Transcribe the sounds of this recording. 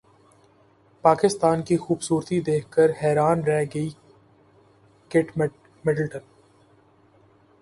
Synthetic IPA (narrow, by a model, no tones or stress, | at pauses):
paːkɪst̪aːnkixuːbsuːɾt̪id̪eːkʰkəɾhɛːɾaːnɾɛɦɡəi | kɪʈ | mɪʈəlʈə̃n